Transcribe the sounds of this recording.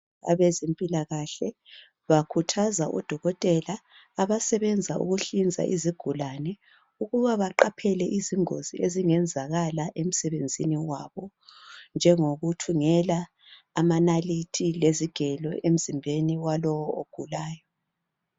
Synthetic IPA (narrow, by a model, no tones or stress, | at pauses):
a̰βezempʼilaɣaɬɛ | βakʰutʰazaʔṵd̥ʱɔɣɔtʼɛlaː | aβasɛβɛnd͡zʱaʔṵɣuɬind͡zʱa̰ʔiziɡ̥ʱulanɛ | uɣuβaβaǃapʰɛlɛʔiziŋo̰zieziŋɛnd͡zʱaɣalaʔem̩sɛβend͡zʱiniwaβɔ | nd͡ʒʱɛŋoɣutʰuŋɛlaː | manalitʰileziɡ̥ʱɛlɔ̰em̩zimbʱeniwalɔwɔoɡ̥ʱulaːjɔ